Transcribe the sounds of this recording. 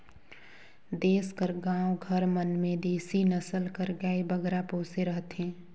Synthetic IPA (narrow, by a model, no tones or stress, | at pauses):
d̪eːskəɾɡãːwoɡʱəɾmənmẽd̪iːsinəsəlkəɾɡaːebəɡɾapoːseɾəɦt̪ɦẽː